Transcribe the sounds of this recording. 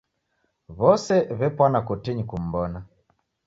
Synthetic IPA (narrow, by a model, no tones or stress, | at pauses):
βɔsɛβɛpwanakɔtiɲikum̩bɔna